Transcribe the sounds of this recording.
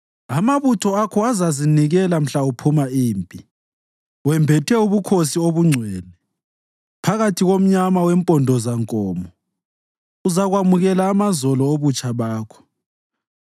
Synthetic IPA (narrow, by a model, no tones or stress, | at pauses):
amaβutʰɔakʰɔazaziniɣɛlam̩ɬaupʰumaiːmpʼi | wɛmbʱɛtʰɛuβukʰosioβuŋ͡ǀʱwɛːnɛ | pʰaɣatʰiɣom̩ɲamawɛmpʼɔndʱɔzaŋkʼɔːmɔ | uzaɣwamuɣɛlaːmazɔlɔoβut͡ʃʼaβaːkʰɔ̥